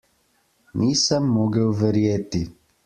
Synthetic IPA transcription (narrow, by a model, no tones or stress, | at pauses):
niːsəmːoɡəwvəɾjet̪i